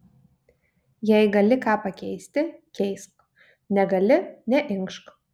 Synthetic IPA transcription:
jɛɪɡɐlʲɪkɑːpɐkʲɛɪsʲt̪ʲɪkʲɛɪsp | nʲɛɡɐlʲɪnʲɛʔɪŋkʃk

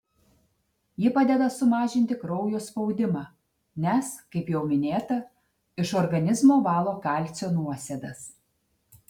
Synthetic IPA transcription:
jɪpɑːd̪ʲɛd̪ɐsʊmɑːʒʲɪnʲt̪ʲɪkɾɔʊjoːspɒʊd̪ʲɪmɑː | nʲɛskɐɪpjɛʊmʲɪnʲeːt̪ɐ | ɪʃɔɾɡɐnʲɪzmoːʋɑːlˠoːkɑˑlʲt̪sʲoːnuɔsʲed̪ɐs

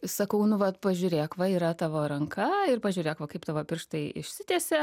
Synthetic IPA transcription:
sɐkɐʊnʊʋɐt̪pɐʒʲʊːɾʲeːkʋɐiːɾɐt̪ɑːʋoːɾɐŋkɐɪrpɐʒʲʊːɾʲeːkʋɐkɐɪpt̪ɑːʋoːpʲɪrʃt̪ɐɪɪ̰ʃʲsʲɪt̪ʲɛːsʲɛ

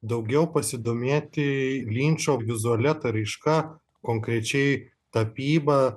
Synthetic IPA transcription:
d̪ɐʊɡʲɛʊpɐsʲɪd̪oːmʲeːt̪ʲɪlʲiːnʲt͡ʃʲoːʋʲɪzʊɐlʲɛt̪ɐɾɐɪʃkɐ | koːŋkɾʲɛt͡ʃʲɛɪ | t̪ɐpʲiːbɐ

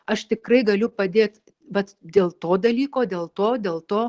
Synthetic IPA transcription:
ɐʃt̪ʲɪkrɐɪɡɐlʲʊpɐd̪ʲeːt̪ | ʋɐt̪d̪ʲeːlˠt̪oːd̪ɐlʲiːkoːd̪ʲeːlˠt̪oːd̪ʲeːlˠt̪oː

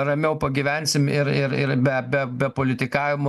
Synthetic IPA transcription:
ɾɐmʲɛʊpɐɡʲiʋʲɛnʲsʲɪmɪɾɪɾɪɾbʲɛbʲɛbʲɛpoːlʲɪt̪ʲɪkɑːʋʲɪmo

